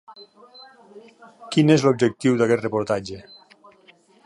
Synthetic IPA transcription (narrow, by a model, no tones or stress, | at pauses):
kinezlob̚d͡ʒek̚t̪iwðakɛt̪repuɾt̪ad͡ʒe